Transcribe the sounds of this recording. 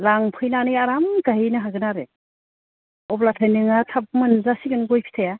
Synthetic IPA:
laŋpʰɯjnanɯjaɾamɡaɦinɯɦaɡɯnaɾe | ɔblatʰajnɯŋatʰap̚mɯnzasiɡɯnɡɔjpʰi̥tʰaja

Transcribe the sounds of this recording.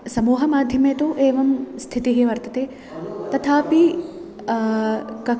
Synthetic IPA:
sɐmuːɦɐmaːd̪ʱjɐmet̪uʔeːʋɐmst̪ʰit̪iɦiʋɐɾt̪ɐt̪e | t̪ɐt̪ʰaːpi | kɐ

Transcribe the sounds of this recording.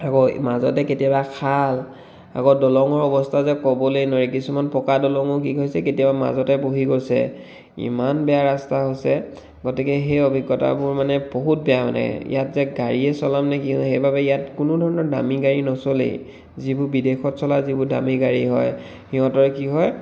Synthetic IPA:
akomazɔ̰tɛketijabakʰal | a̰kodɔlɔŋɔɹɔbɔstʰazɛkɔbɔlojnɔɹikisumanpɔkadɔlɔŋʊkiɡojsɛketiabama̰zɔtɛboɦiɡojsɛ̰ | ḭmanbɛaɹastaɦosɛ | ɡɔtikɛɦejɔbʱiɡːɔta̰bʊɹmanɛboɦut̚bɛjamana̰ɛ̰ḭjatzɛɡaɹiɛsɔlamnɛkixejbabɛijatkʊnʊdʱɔɹɔnɔɹda̰miɡaɹinɔsolḛ | zibʊbidexɔtsɔlazibʊda̰miɡaɹiɦɔj | hiɦɔ̃tɔɹɛkiɦɔj

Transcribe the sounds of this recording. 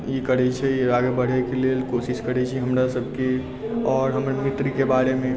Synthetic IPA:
jekəɾɛt͡ʃʰɛjeɾaːɡebəɽ̤ɛkelelkoːʃɪʃkəɾɛt͡ʃʰiɦəmɾasəb̚ʱke | ɔːɾɦəmɾmɪt̪ɾikebaːɾemẽ

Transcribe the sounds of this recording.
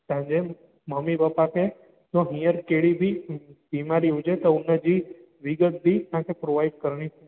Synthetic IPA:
sãɲd͡ʒe | məmːibapake | t̪oɦĩjəɾkeɭibʱibimaɾiɦud͡ʒet̪ounːəd͡ʒi | ʋiɡət̪̚d̪it̪ãkepɾoʋajɖ̚kəɾɳ̃i

